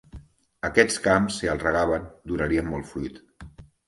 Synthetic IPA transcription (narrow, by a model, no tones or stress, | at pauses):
əkɛt͡skamsːiəlˠrəɣ̞aβənd̪unaɾiəmːɔlˠt̪fɾujt̪